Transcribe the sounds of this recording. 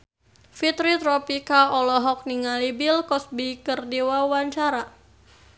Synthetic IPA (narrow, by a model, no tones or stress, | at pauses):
fit̪ɾit̪ɾɔpikaɔlɔɦɔk̚niŋalibilkɔsbikərdiwawaɲt͡ʃaɾa